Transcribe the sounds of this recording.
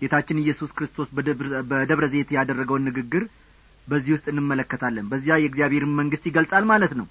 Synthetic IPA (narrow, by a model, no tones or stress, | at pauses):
jet̪ʰat͡ʃːɪnɨjːɛsuskɾɨst̪ʰo̞sbəd̪əβɾəze̞t̪jad̪ərːəɡəwnːɨɡɨɡːɨɾ | bəzːihwʊst̪ʼɨnːɨmːələkːət̪ʰalːənbəzːijajɛɡzijaβhe̞ɾɨnməŋɡɨst̪jɪɡəlsʼalmalət̪nəw